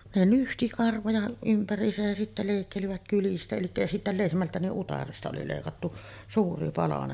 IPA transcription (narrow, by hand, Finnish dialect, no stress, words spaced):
ne nyhti kɑrʋojɑ ympærˑiːsæj jæ sitːæ leˑikːeliʋæt kylistæ elikːæ jɑ sitːæ lehmæltæ niʔ ʔutɑrestɑ oli leˑikɑtːu suːri pɑlɑnen